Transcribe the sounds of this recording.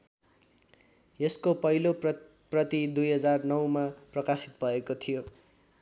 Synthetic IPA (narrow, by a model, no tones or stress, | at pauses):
jeskopʌɦilo | prʌt̪id̪ujɦʌd͡zarnʌwmaprʌkasi̥t̪̚bʱʌekot̪ʰijo